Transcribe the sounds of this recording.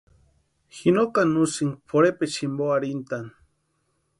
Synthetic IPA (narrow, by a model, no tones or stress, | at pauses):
xinokanusiŋpʰoɾepet͡ʃimboaɾint̪an